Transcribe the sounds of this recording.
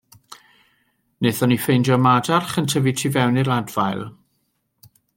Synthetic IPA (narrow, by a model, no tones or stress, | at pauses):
neːθɔnifejndɔmadarχəntʰəvitʰivɛwniladvajlˠ